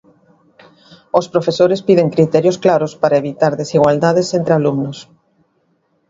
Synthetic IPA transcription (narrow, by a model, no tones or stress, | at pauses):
ospɾofesoɾespiðeŋkɾit̪ɛɾjosklaɾospaɾɐeβit̪aɾðesiɣwald̪aðesent̪ɾealumnos